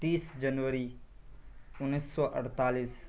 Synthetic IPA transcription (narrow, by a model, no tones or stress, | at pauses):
t̪iːsd͡ʒənʋəɾi | ʊnːisːɔʔəɽt̪aːliːs